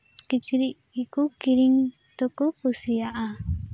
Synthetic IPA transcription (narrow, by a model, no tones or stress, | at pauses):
kit͡ʃiɾiʔ | ikukiɾiŋ | t̪okupusiaʔa